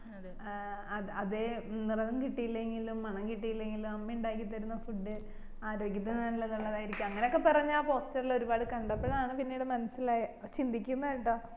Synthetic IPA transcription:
ɐɐðenirɐnumkiʈːijilːɐeŋɡilumːɐɳɐmkiʈːijilːeŋɡilumɐmːɐuɳɖaːjk̬ːit̪̬ːɐɾunːɐfuɖːɨ | aːɾo̞ːɡjɐt̪ːɐnaːnilːɐðuɭːɐðaːjiɾikʲːumɐŋːɐneokːepɐrɐɲːuaːpo̞ːstɐrilo̞ɾubaːɽɨkɐɳɖɐpːeɭaːɳɨpinːejuɽemɐnɐsilaːjɐt͡ɕind̪ʱikʲːunːɐiʈːoː

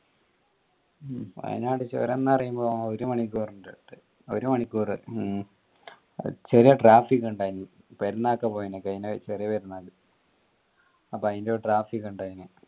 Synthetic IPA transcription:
ɐ̰ðḭnaːʈɨt͡ɕo̰ːɾenːɐpɐrɐjumbo̞ːoɾumɐɳikːuːrɨdeʈːɨ | o̰ɾumɐɳikʲːuːrɨ | t͡ɕerijɐʈraːfikːuɳɖaːjini | peɾunːaːkːɐpoːjinɐkːɐjinet͡ɕerijɐpɐɾunːaːlɨ | ɐpːoɐðindeoːʈraːfikːuɳɖaːjinɨ

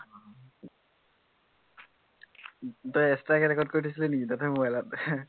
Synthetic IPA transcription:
tojɛstakɛɹɛkɔd̚koɹitʰisilɛnikitatɛmuɛlat̚

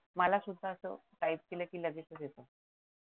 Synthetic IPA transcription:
məlasud̪ʱːəəsə̰ʈaip̚kilekiːləɡit̪t͡səsjet̪ə

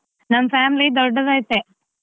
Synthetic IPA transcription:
nɐmːfaːmlid̪ɔɾɖɐʋɐjt̪ːe

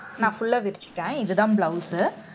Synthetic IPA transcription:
nãːfʊɭːɐʋɪɾt͡ʃːʈːẽːɪðɯðãːbɭɐʊsɯ

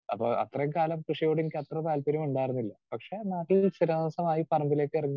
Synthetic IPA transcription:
ɐ̰pːoːʔɐ̰t̪rɐjukaːlɐmkrɨʂɐjoːɽenikʲːɐt̪rɐpaːlpɐɾjɐmuɳɖaːjiɾunːilːɐpɐkʂe̞naːʈːilsiɾɐnaːsɐmaːjipɐrɐmbile̞ːkːɨerɐŋː

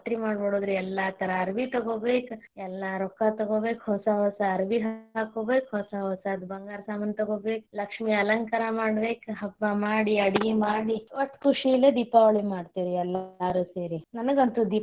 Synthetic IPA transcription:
ʈɾimaːɽboɽoːd̪ɾuɛlːat̪ɐɾɐɐɾʋit̪ɐɡoːbeːkɛlːaɾɔkːat̪ɐɡoːbeːkɦɔsɐɦɔsɐɐɾʋiɦaːkoːbeːkhɔsaɦɔsɐːd̪bɐŋɡaːɾsaːmɐnt̪ɐɡoːbeːk̚lɐkʂmiɐlɐŋkaɾamaːɽbeːkɦɐbːamaːɽiɐɽiɡimaːɽiʋɐt̪ːkuʂilːed̪iːpaʋɐɭimaːɖt̪iɾiɛlːaɾuseːɾinɐnɐɡɐnt̪ud̪i

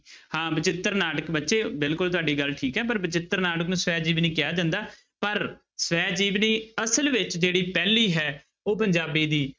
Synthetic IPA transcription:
hãːbɪt͡ʃɪt̪ːəɾnaːɖəkbətːʃeːbɪlkʊlt̪ʊaːɖiːɡəlʈʰiːkɦɛːpəɾbɪt͡ʃɪt̪ːəɾnaːɽəknũːsʋɛːd͡ʒiːʋnĩːkɪjaːd̪ə̃nd̪aː | pəɾ | sʋɛːd͡ʒiːʋniːəsəlʋɪt͡ʃd͡ʒeːɽiːpɛːnliːɦɛː | oːpəɲd͡ʒaːbiːd̪iː

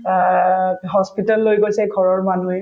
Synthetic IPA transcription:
ɦɔspitalːojɡojsɛɡʱɔɹɔɹmanuɛ

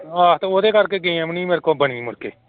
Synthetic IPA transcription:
aːt̪ooːd̪eːkəɾkeːɡẽãmniːmeɾkõːbəɳ̃iːmʊɾkḛː

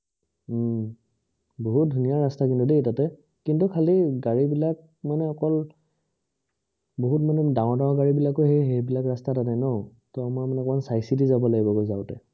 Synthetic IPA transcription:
boɦut̚dʱunijaɹastakintudetatɛ | kintukʰaliɡaɹibilak̚ | manɛɔkɔl | boɦutmanɛdãw̃ɔɹdãw̃ɔɡaɹibilakoɦejɦejbilakɹastatanajnɔ | tɔamamanɛkɔansajsitizabɔlaɡibɔkojzaʊtɛ

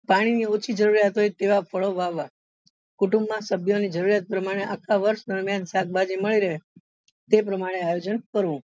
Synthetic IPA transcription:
paɽ̃iniot͡ʃʰid͡ʒəɾuɾjat̪oit̪eʋapʰəɭoʋaʋa | kuʈũmbmãsəbʱjonid͡ʒəɾuɾijat̪̚pɾəmaɽ̃eʔakʰaʋəɾʃd̪əɾmjansak̚bad͡ʒiməɭiɾəɦe | t̪ep̬ɾəmaɽ̃eajod͡ʒənkəɾʋũ

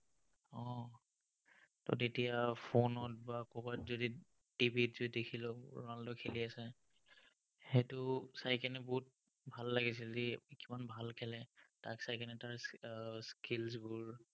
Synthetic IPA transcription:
ɔ̃ | tɔ̰detijapʰonɔt̚bakɔbatzodi | tibitzodidekʰilɔɹandɔkʰeliasɛ | hetʊsajkɛnɛbɔɦut̚ | bʱalːaɡis̬ɛodikimanbʱalkʰɛlɛtaksajkɛnɛtaɹsskilsbʊɹ

